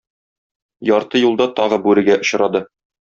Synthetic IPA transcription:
jɒɾt̪ɤjulˠd̪ɑt̪ɒʁɤbʉɾɘ̆ɡæʔŏɕɾɑd̪ɤ

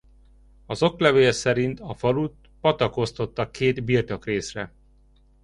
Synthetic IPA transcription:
ɒzo̞klɛveːlsɛɾint̪ɒfɒlut̪ | pɒt̪ɒko̞st̪o̞t̪ːɒkːeːd̪birt̪o̞kreːsrɛ

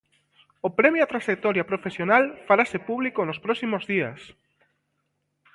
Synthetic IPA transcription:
opɾɛmjat̪ɾaʃek̚t̪ɔɾjapɾofesjonalfaɾasepuβlikonospɾɔksimozðias

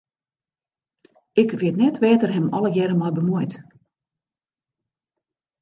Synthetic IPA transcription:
ɪkʋɪtnɛtʋɛːtərɦɛmɔləɡjɛɾəmɔjbəmuəjt

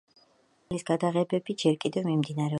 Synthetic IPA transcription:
lisɡad̪aʁɛbɛbid͡ʒɛɾkʼid̪ɛvmimd̪inaɾɛ

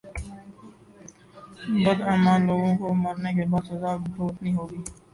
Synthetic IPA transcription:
bʊd̪aːmaːnloːɡõkoməɾnek̬ebaːd̪sɐzaːʈoːt̪nĩːɦoːɡiː

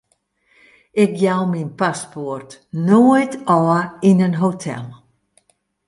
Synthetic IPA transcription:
ɪkjawminpasportnojtɔəinənɦotʰɛ̰lˠ

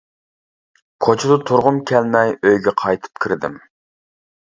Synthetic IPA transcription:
kʰot͡ʃʰid̪ʊt̪ʰʊɾʁʊmkʲʰɛlmɛjøjɡʲɛqʰɑjt̪ʰɨ̥p̚kʲʰiɾd̪ɪ̰m

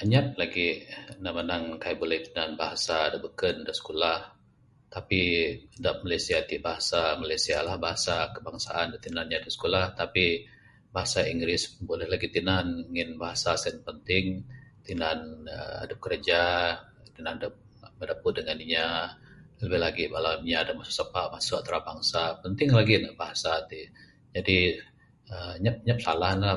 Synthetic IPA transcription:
ʔəɲat̪̚laɡinamanaŋkajabolɛht̪inanbaɦasadaʔbəkəndasə̥kolah | t̪apidaʔ̚malajsiat̪ibaɦasamalajsialahbaɦasakəbaŋsa̰ʔandat̪inanɲadasə̥kolaht̪api | baɦasaiŋɡɾɪsbolɛhlaɡit̪inanŋɪnbaɦasasɛnpənt̪ɪŋt̪indanə̰a̰dəp̚kəɾəd͡ʒa | t̪inandəp̚ | mədapʊdəŋaniɲa | ləbɪhlaɡibalaiɲaːdamasʊ̥k̚səpaʔmasʊkat̪ɾabaŋsapənt̪ɪŋlaɡinbaɦasat̪i | d͡ʒadi | əɲap̚ɲəp̚salaɦnla

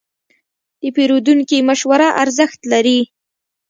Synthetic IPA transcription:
d̪̥əpeɾod̪uŋkimaʃwaɾaʔaɾzəxt̪laɾi

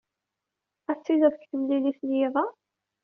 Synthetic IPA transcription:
æt͡sːiðæðkθəmliliθljiðˤɑ

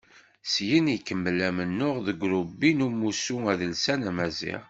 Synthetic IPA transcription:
sjənikːəmːəlæmənːʊʁðəɡʷɾubːinumusuæðəlsænæmæzḭʁ

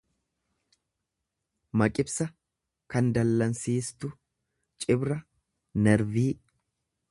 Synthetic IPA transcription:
mɐkʼɪbsɐ | kɐnd̪ɐlːɐnsiːst̪ʊ | t͡ʃʼɪbɾɐ | nɛɾviː

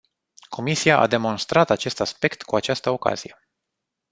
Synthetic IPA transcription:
kʰo̞misiaʔa̰d̪e̞mo̞nst̪ɾat̪at͡ʃe̞st̪aspe̞kt̪kuat͡ʃast̪əo̞ka̰z̥ije̞

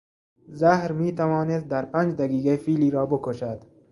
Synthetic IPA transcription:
zahɾmiːt̪awɑːnest̪̚d̪aɾpand͡ʒd̪aɡiːɡafiːliːɾɒːbʊkoʃad̪

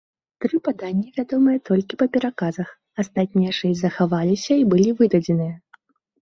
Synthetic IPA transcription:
t̪ɾɨpad̪anʲːɐvʲad̪ɔmɨjɐt̪ɔlʲkʲipɐpʲɛɾakazɐx | ast̪at̪̚ʲnʲijɐʂɛzɐxavalʲisʲɐibɨlʲivɨd̪ɐd͡zʲɛnɨjɐ

